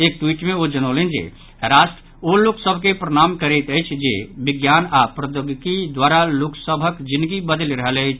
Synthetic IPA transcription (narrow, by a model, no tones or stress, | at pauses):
eːk̚ʈwiʈmẽod͡ʒənolend͡ʒḛ | ɾaʃʈɾ | oloksəbʱkepɾəɽ̃amkəɾɛt̪əjt͡ʃʰd͡ʒebiɡjanapɾəd̪əɡkid̪waɾaloksəbʱəkd͡ʒind̪ɡibəd̪əlɾəɦələjt͡ʃʰ